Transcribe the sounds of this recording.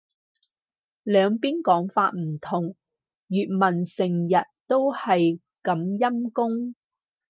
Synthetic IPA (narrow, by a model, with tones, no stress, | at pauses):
lœː˨˧ŋpiː˥nkɔː˨˥ŋfa̰ː˧t̚m̩˨˩t̪ʰʊ˨˩ŋ | jyː˨t̚mɐ˨˩nsɪ˨˩ŋjɐ˨t̚t̪o˥whɐ˨j | kɐ˨˧mjɐ˥mkʊ˥ŋ